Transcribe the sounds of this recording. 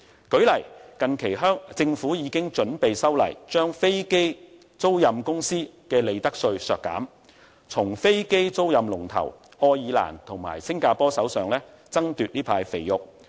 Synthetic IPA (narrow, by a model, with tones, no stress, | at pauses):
kɵ˨˥ɥlɐ˨˩jkɐ˨nkʰe˨˩jɦœː˥ŋt͡sɪ˧ŋfuː˨˥jiː˨˧kɪ˥ŋt͡ʃɵ˨˥npe˨jsɐ˥wlɐ̰˨˩jt͡ʃœː˥ŋfe˥jke˥ | t͡so˥wjɐ˨mkʊ˥ŋsiː˥kɛː˧le˨˧jt̪ɐ˥k̚sɵ˧ɥsœː˨˧kːa̰ː˨˥m | t͡sʰʊ˨˩ŋfe˥jke˥jt͡so˥wjɐ˨mlʊ˨˩ŋt̪ʰɐ̰˨˩w | ɔː˧jiː˨˧la̰ː˨˩nt̪ʰʊ˨˩ŋma̰ː˨˩jsɪ˥ŋkaː˧pɔː˥sɐ˨˥wsœː˨ŋlɛː˥ | t͡sɐ˥ŋt̪yː˨t̚niː˥pʰaː˧jfe˨jjʊ˨k̚